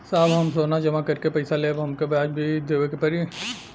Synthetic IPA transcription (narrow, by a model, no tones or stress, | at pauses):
saːbɦɐmsoːnad͡ʒɐmakɐɾkepɐɪsaleːbɦɐmkebaːd͡ʒbʱid̪eːʋekepɐɾi